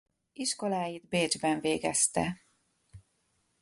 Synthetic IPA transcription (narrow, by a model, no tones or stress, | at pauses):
iʃko̞laːjid̪beːd͡ʒbɛɱveːɡɛst̪ɛ̰